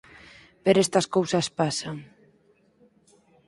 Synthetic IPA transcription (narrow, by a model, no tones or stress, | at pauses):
peɾɛst̪ɐskowsɐspasaŋ